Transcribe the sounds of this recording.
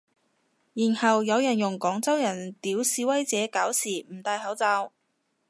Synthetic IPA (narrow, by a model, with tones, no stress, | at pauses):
jiː˨˩nhɐ˨wjɐ˨˧wjɐ˨˩njʊ˨˩ŋkɔː˨˥ŋt͡sɐ˥wjɐ˨˩nt̪iː˨˥wsiː˧wɐ˥jt͡sɛː˨˧˥kaː˨˥wsiː˨˩m̩˨˩t̪aː˧jɦɐ˨˥wt͡saː˧w